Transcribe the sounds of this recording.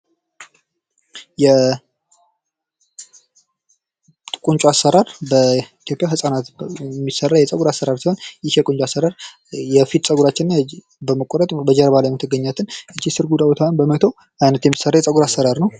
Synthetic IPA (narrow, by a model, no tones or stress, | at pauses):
jɛ | kʼuɲt͡ʃʼuasːəɾaɾbəit̪ʰjo̞pʼjaɦɨsʼanat̪mːisːərːajɛsʼəɡuɾasːəɾaɾsiho̞njɪhjɛkʼunt͡ʃʼasːəɾaɾ | jɛfit̪sʼəɡuɾat͡ʃːɪnna | bəməkʼɔɾət̪ʼbəd͡ʒɛɾβalajmət̪ʰɨɡːəɲːat̪ʰɨnɨt͡ʃːisɨɾɡud̪abot̪ʰanbəmət̪ʰəw | ajnət̪jɛmːisərːajɛt͡sʼəɡuɾasːəɾaɾnəw